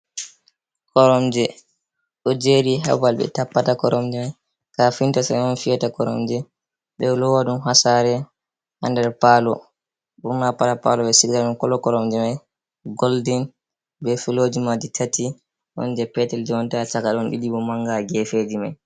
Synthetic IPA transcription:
kɔɾɔmd͡ʒɛ | ɗɔd͡ʒeɾiɦɛ̰balɓɛ̰tapːatakɔɾʔɔmd͡ʒɛmaj | kafintasajɔnfijatakɔɾɔ̰md͡ʒɛ | ɓɛlɔwaɗunɦasaɾɛ | ha̰ndɛɾpalɔ̰ | ɓuɾmapatapa̰lɔɓɛsiɡaɗunkɔlɔkɔɾɔmd͡ʒɛmaj | ɡɔldin | bɛfilod͡ʒimaditʰati | ʔɔ̰nd͡ʒɛpɛtɛld͡ʒɛwɔntat͡ʃakaɗɔnɗḭɗiɓɔmaŋɡaɡɛfed͡ʒimaj

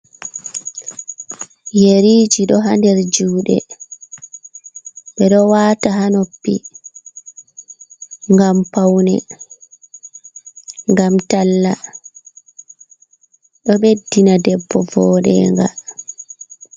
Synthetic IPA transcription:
jeɾiːd͡ʒiɗɔɦandɛɾd͡ʒuːɗɛ̰ | ɓɛɗɔwaːtaɦanopːi | ŋɡampawnɛ̰ | ŋɡamtalːa | ɗɔɓedːinadɛbːɔvɔːɗɛ̰ŋɡa̰

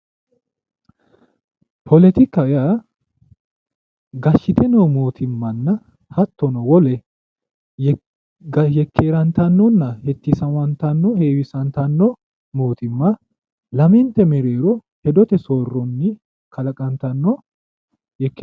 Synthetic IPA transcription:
pʰɔlɛt̪ɪkːɐja | ɡɐʃːɪt̪ʰɛnomo̞ːt̪ʰɪmːɐnːɐ | hɐt̪ːɔnɔwɔlɛ | ɡɐjɛkʰːeːɾɐnt̪ɐnːɔnːɐhɛt̪ːɪsɐnwɐnt̪ɐnːɔheːwɪsɐnt̪ɐnːɔ | moːt̪ɪmːɐ | lɐmɪnt̪ɛmɛɾeːɾɔ | hɛd̪ɔt̪ɛsoːrːɔnːɪ | kʰɐlɐkʼɐnt̪ɐnːɔ | jɛkː

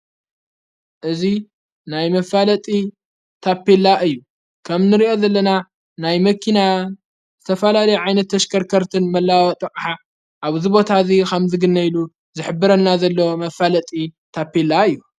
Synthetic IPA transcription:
ʔɨzi | najmɐfalɐt̪ʼi | t̪ʰapːelːaʔɨjːu | kʰɐmnɨɾiʔo̞zɐlːɐna | najmɐkʰːina | zɨt̪ʰɐfɐlalɐjuʕajnɐt̪ʰːɐʃkʰɐɾkʰɐɾt̪ʰɨnmɐlːawɐt̪ʼɐqʼħa | ʔaβzibo̞t̪ʰazikɐmzɨɡɨnːɐjlu | zɨħɨbːɨɾɐnːazɐlːo̞mɐfalɐt̪ʼit̪ʰapʰːelaɨjːu

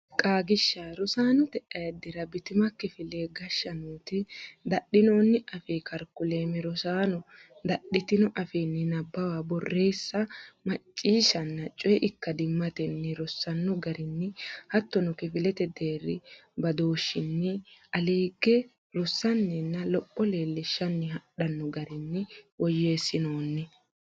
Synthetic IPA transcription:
kʼaːɡɪʃːaɾɔsaːnɔt̪ɛʔɐjɐd̪ɪɾɐbɪt̪ɪmɐkɪfɪleːɡɐʃːɐnuːt̪ɪd̪ɐɗɪno̞ːnːɪʔɐfeːkɐɾkːʊle̞ːmɛɾɔsaːnɔd̪ɐɗːɪt̪ɪnɔʔɐfeːnːɪnɐbːɐwaːbɔrːe̞ːsːɐmɐt͡ʃʼːiːʃɐnːɐt͡ʃʼɔjɛʔɪkːɐd̪ɪmːɐt̪ɛnːɪɾɔsːɐnːɔɡɐɾɪnːɪhɐt̪ːɔnɔkɪfɪlɛt̪ɛd̪eːrːɪ̰bɐd̪o̞ːʃːɪnːɪʔɐleːɡɛ | ɾɔsːɐnːɛnːɐlɔpʼːɔle̞ːlːɪʃːɐnːɪɦɐɗɐnːɔɡɐɾɪnːɪwɔjeːsːɪno̞ːnːɪ

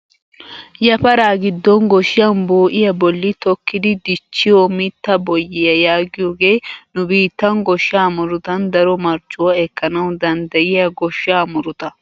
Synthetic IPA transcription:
jɐpɐɾaːɡɪd̪ːɔnɡɔʃɪjɐnboːʔɪjɐbɔlːɪt̪ɔkːɪd̪ɪd̪ɪt͡ʃːɪjɔmɪt̪ːɐbɔjːɪjɐjaːɡɪjoːɡe̞ːnʊbiːt̪ːɐnɡɔʃjaːmʊɾʊt̪ɐnd̪ɐɾɔmɐɾt͡ʃʼːʊwɐɛkːɐnɐwd̪ɐnd̪ɐjɪjɐɡɔʃːaːmʊɾʊt̪ɐ

